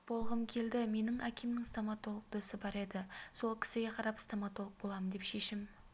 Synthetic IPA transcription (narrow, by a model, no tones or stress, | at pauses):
b̥o̞lˠʁəmkʲʰe̞ld̪ɪme̞nɪŋækʲemnɪŋst̪omɑt̪o̞lˠəq̚d̪ɵsɪbɑɾe̞d̪ɪso̞lˠkʲʰɪ̥sɪɡʲe̞qʰɑɾɑpst̪omɑt̪o̞lˠəq̚bo̞lˠɑmənd̪e̞pʃe̞ʃɪm